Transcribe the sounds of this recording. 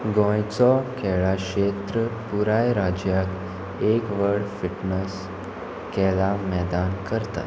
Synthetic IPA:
ɡɔ̃jt͡sɔkʰɛɭaɕet̪ɾəpuɾajɾad͡ʑjak | ekʋəɽfiʈnəs | kɛlamɛd̪ankəɾt̪a̰

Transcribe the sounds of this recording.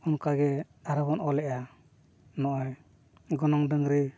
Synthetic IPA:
ɔnkaɡɛ | aɾabɔnɔlɛʔa | nɔʔɔj | ɡɔnɔŋdɯŋɾɛ

